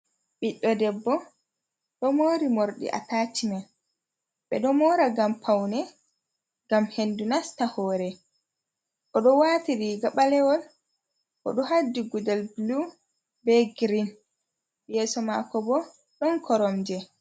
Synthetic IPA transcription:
ɓiɗːɔdɛbːɔ | ɗɔmoːɾimoɾɗḭʔa̰taːtimɛn | ɓɛ̰ɗɔmɔːɾaɡampʰawnɛ | ɡamhendunastahɔːɾɛ | ʔɔɗɔwatiɾiɡaɓalɛwɔl | ʔɔ̰ɗɔhadːiɡudɛlblu | bɛɡɾin | jɛsɔmakɔbɔ | ɗɔnkʰɔɾɔmd͡ʒɛ

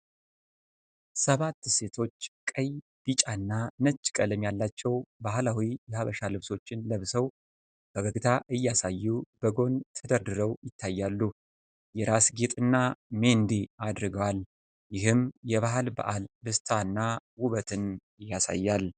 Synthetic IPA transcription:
səβat̪ːse̞t̪ʰo̞t͡ʃːkʼəj | b̥it͡ʃʼanːanət͡ʃʼːkʼələmjalːat͡ʃːɛwbaɦlawijɛhaβəʃalɨβso̞t͡ʃːɪnləβsəw | b̥əɡəɡt̪ʰaʔɨjːasajːub̥əɡo̞nt̪ʰəd̪əɾd̪ɨɾəwjɪt̪ʰːajːalːu | jɛɾasɡet̪ʼɨnːame̞nd̪ead̪ɾɨɡəwal | jɪɦɨmjɛβaɦalba̰ʔalbɨst̪ʰanːawuβət̪ʰɨn | ɨjːasa̰jːal

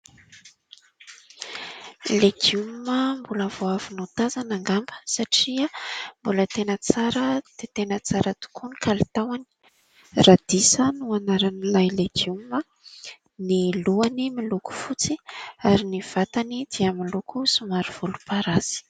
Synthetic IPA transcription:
leɡiuməmbulavoavinut̪azanaŋɡambə̥saʈ͡ʂiəmbulət̪enət͡saɾəd̪̥et̪enət͡saɾət̪u̥kʰunikalit̪awani̥ | rad̪̥isənuanaɾanilajleɡiumə | niluanimiluku̥fut͡siaɾiniv̥at̪anid̪̥iaminlukusumaɾiv̥ulupaɾaz̥i̥

